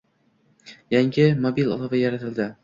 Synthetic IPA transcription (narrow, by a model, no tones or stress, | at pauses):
jaŋʲɪmobilʲˠɒ̰lˠɒvajaɾat̪ʰɪld̪ɪ